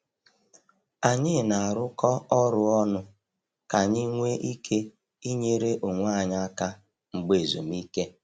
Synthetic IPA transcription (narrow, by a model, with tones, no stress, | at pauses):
a˨ɲɪ˦˨na˨a˨ɾʊ˦kɔ˦ɔ˦ɾʊ˦ɔ˦nʊ˦ | ka˨ɲi˦ŋʷe˦ʔi˦kʰe˦ | i˦ɲe˦ɾe˦ʔo˨ŋʷ˦a˦˨ɲa˦ka˦ | ŋ͡m̩˨ɡ͡be˨zo̰˨mi˦ke˦